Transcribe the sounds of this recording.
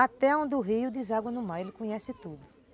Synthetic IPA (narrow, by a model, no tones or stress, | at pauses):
at̪ɛõd̪ʊɦijʊd̪izaɡwɐnʊmaelɪkõɲɛsɪt̪ud̪ʊ